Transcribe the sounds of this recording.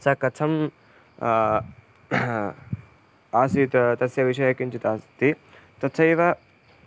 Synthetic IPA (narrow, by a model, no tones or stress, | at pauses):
sɐkɐt͡sʰɐm | aːsit̪t̪ɐsjɐʋiʃɐjɐkint͡ʃit̪aːst̪i | t̪ɐtːt͡ʃʰɐjʋɐ